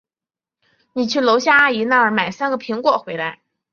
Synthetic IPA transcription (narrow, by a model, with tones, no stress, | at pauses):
ni˨˩t͡ɕʰy˥˩lo˧˥ʊɕja˥˧a˥i˧˥na˥˩ə˞˧˥ma˨˩ɪsa˥nɡə˨pʰi˧˥ŋkwɔ˥˩xwe˧˥ɪla˧˥ɪ